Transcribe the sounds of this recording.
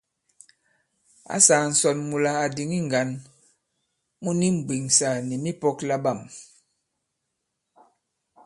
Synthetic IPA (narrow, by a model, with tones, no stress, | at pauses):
a̰˦saː˨n̩˨sɔ˨nmu˨la˨a˨di˨ŋi˦ŋ˨ɡa˨n | mu˦ni˦m̩˨bi˨ŋsa˨ni˨mi˦pɔ˦kla˦ba˦˨m